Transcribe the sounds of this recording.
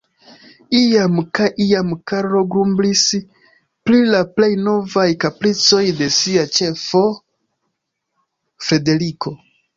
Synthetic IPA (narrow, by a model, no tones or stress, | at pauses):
iamkajʔiamkaɾɾo̞ɡɾumblis | pɾilaple̞jno̞vajkaplit͡so̞jde̞siat͡ʃe̞fo̞ | fɾe̞de̞ɾikʰo̞